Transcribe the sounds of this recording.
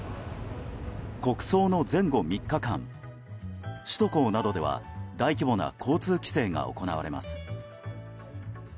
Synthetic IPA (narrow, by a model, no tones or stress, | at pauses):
ko̞kɯ̟̥so̞ːno̞zẽ̞ŋɡo̞mʲikːakã̰ŋ | ɕi̥t̪o̞ko̞ːnad̪o̞d̪e̞βa̰d̪aikʲibo̞na̰kʰo̞ːt͡sɨːkʲi̥se̞ːŋa̰o̞̰ko̞naβaɾe̞ma̰sɨ̥